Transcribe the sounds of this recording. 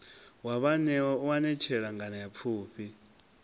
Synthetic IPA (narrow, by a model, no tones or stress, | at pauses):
waβanɛuwanɛt͡ʃʰɛɺaŋɡʱanajap̪fʰuːɸʰi